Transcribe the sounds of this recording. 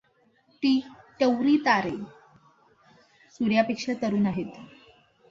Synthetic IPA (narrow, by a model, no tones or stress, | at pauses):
t̪iʈəwɾiːt̪aɾe | suɾjapekʂat̪əɾuːnaɦet̪